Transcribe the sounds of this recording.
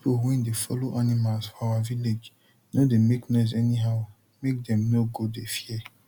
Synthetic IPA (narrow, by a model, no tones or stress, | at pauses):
pipʰowɛ̃ndefɔloʔanimalsfɔawaviled͡ʒ | nodemeknɛs̬ɛniɦaʊ | mek̚dɛ̃mnoɡodefiɛ